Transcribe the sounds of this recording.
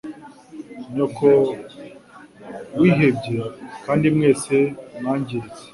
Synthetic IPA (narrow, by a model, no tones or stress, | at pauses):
ɲokʰo | wiːɦebɟekaːndimŋeːsemŋaːɲɟiɾize